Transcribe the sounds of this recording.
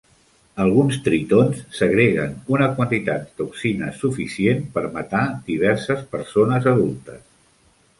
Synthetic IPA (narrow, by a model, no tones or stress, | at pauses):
əlˠɣunst̪ɾit̪onsːəɣɾeɣə̰nunəkwənt̪it̪at̪̚d̪uksinə̰sufisienpəɾmət̪ad̪iβ̞ɛɾsəspəɾsonəzəðulˠt̪əs